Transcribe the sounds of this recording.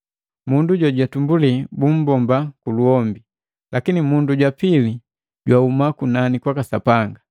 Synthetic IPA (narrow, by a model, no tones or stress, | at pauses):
munduɟɔɟwatumbulibum̩bɔmbakuluɔmbi | lakinimunduɟwapili | ɟwaumakunanikwakasapaŋɡa